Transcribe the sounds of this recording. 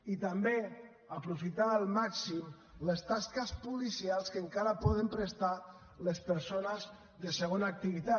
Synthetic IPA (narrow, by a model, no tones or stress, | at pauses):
it̪ambe | apɾufit̪aːlˠmaksim | ləst̪askəspulisialˠskəŋkaɾəpɔðəmpɾəst̪a | ləspəɾsonəz | ðəsəɣ̞onaːk̚t̪iβit̪a